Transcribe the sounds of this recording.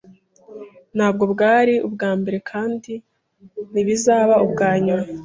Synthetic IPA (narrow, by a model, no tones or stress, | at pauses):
n̥haːb̚ɡo̞bɡaːɾiʔubɡaːmbe̞ɾe̞kʰaːndi | niβizaːβaubɡaːɲuɾa